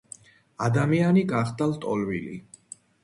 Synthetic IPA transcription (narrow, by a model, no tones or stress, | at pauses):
ad̪amianiɡaχd̪alt̪ʼɔlvḭlḭ